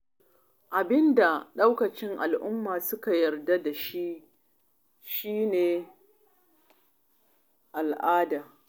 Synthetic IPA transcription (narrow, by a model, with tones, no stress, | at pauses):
ʔa˨bɪ˦nda˨ɗa˦wkɐ˨t͡ʃɪ˦ŋʔa̰˨lʔʊ˦mːaː˨sʊ˦ka˨jɐ˨rda˦da˨ʃi˦ʔ | ʃiː˦neː˨ | ʔa˨lʔaː˦daː˨